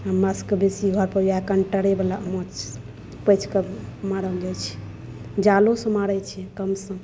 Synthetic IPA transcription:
ɦəmːəskbesiɡʱəɾpəɾiakənʈəɽebelaʔəmot͡ʃ | pəjt͡ʃʰkemaɾəld͡ʒajt͡ʃʰɛ̥ | d͡ʒalosə̃maɽəjt͡ʃʰɛkəmsə̃

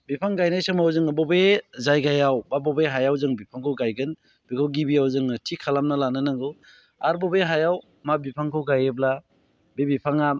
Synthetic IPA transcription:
bipʰaŋɡajnajsɯmawzɯŋɯbɔbezajɡajawbabɔbeɦajawzɯŋbipʰaŋkʰɯwɡajɡɯn | b̥ikʰawɡibiawzɯŋɯtʰikʰalamnalanɯnaŋɡɯw | aɾbɔbeɦajaw | mabipʰaŋkʰɯwɡajebla | bebipʰaŋa

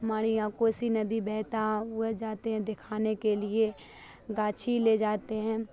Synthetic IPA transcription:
ɦɐmaːɾijãːkoːsinɐbʱibɛːɦt̪ad͡ʒaːt̪eɦɛ̃d̪ɪkʰaːnekelie | ɡaːt͡ʃʰiled͡ʒaːt̪eɦɛ̃ː

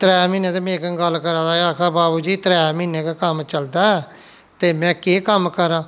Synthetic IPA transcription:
t̪ɾɛːmĩːnẽːt̪eːmẽːkəŋɡəlːkəɾãːd̪aːaːkʰaːbaːbuːd͡ʒiːt̪ɾɛːmiːnẽːkaːkəmt͡ʃəld̪aːɛː | t̪eːmɛ̃ːkeːkəmkəɾãː

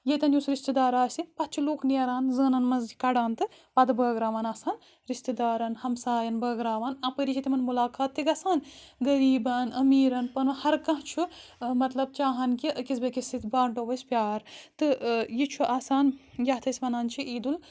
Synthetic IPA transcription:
jet̪ɐnjusɾiʃt̪id̪aːɾaːsipɐt̪̚t͡ʃʰiloːkniɐɾaːnzəːnɐnmɐzikɐɖaːnt̪ɨ | pɐd̪ɨbəːɡɾaːʋanaːsaːn | ɾiʃt̪id̪aːɾɐnhɐmsaːjɐnbəːɡɾaːʋanɐpəɾit͡ʃʰit̪imɐnmulaːkaːt̪ːiɡɐsaːnɡɐɾiːbɐnɐmiːɾɐnpɐnɐhɐɾkɐ̃ɦt͡ʃʰumɐt̪lɐb̚t͡ʃaːɦɐnkiɐkisbɐkisit̪ʰbaːɳʈoʋɐsʲpʲjaːɾt̪ɨjit͡ʃʰuʔaːsaːnjɐt̪ʰɐsʲmɐnaːnt͡ʃʰiʔiːd̪ul

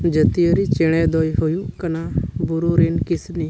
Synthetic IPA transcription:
d͡ʒət̪ijəɾit͡ʃɛɽ̃ɛd̪ɔjɦujukanabuɾuɾinkisni

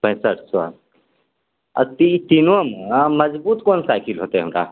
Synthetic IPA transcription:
pə̃ɦɪ̃səʈʰswa̰ | ə̰t̪it̪inomməd͡ʒbuːt̪koːnsaɪkʰilɦoːt̪eɦɐəmɾa̰

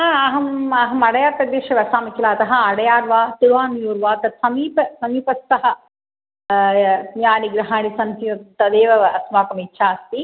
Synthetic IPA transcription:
ɦaɐɦɐmɐɦɐmɐɽɐjaːɾt̪ɐd̪eːʃɐʋɐsaːmɐkilaːɐt̪ɐɦɐɐɽɐjaːɾʋaːt̪iɾʋaːnjuːɾʋaːt̪ɐt̪sɐmiːpɐsɐmiːpɐst̪ɐɦɐ | njaːniɡɾɐɦaːɳisɐnt̪iɐt̪ɐd̪eːʋɐʋɐɐsmaːkɐmitːʃʰaːɐst̪i

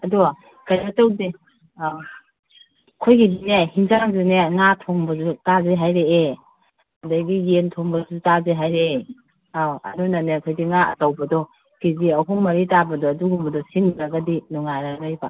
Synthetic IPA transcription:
ɐdua | kajbatawdi | kʰojɡidinehinzaŋzineŋatʰoŋbɐzutazeɦajɾee | ɐdaɡijentʰoŋbɐzutazeɦajɾe | aɐ̰dunanekʰojdiŋaɐ̰tawbɐdɔ | kiziɐɦuŋmɐɾitabɐdɔːduɡumbɐdɔsinɾaɡadinɔŋaɾaɡajba

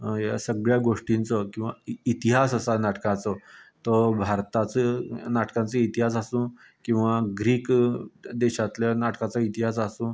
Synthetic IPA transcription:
jasəɡɭjaɡoʂʈĩnt͡səkĩw̃ʋa̰it̪iɦasəsanaʈkãt͡sət̪əbʱaɾt̪at͡sənaʈkãnt͡səit̪iɦas̬asũ | kĩw̃ʋaɡɾiːkd̪eɕat̪ljanaʈkãt͡səit̪iɦas̬asũː

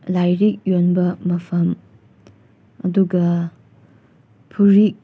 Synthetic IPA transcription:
lajɾik̚jonbɐmɐpʰɐm | ɐduɡɐ | pʰuɾik̚

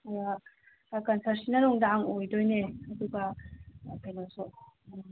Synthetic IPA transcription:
ja | kɐnsʰɐɾsinɐɾoŋdaŋojdojneɐduɡɐ | kʰajnasu

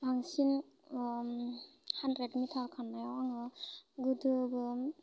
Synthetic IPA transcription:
baŋsin | handɾedmitʰaɾkʰanːajawaŋɯɡudɯbɯ

